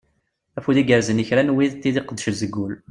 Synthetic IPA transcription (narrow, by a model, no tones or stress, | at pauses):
æfuðiɡəɾzənəçɾænwiðt̪ːiðiqəd̪ːəʃzəɡːul